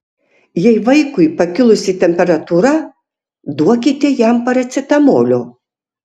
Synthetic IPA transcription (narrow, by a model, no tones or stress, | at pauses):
jɛɪʋɐɪkʊɪpɐkʲɪlˠʊsʲit̪ʲɛmʲpʲɛɾɐt̪uːɾɐ | d̪uɔkʲit̪ʲɛjɛmpɐɾɐt̪sʲɪt̪ɐmoːlʲoː